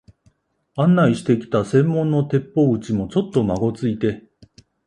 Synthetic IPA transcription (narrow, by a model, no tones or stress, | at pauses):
ãnːaiɕi̥t̪e̞kʲi̥t̪asẽ̞mːõ̞nːo̞t̪e̞pːo̞ːɯ̟t͡ɕimo̞t͡ɕo̞t̪ːo̞maɡo̞t͡sɨit̪e̞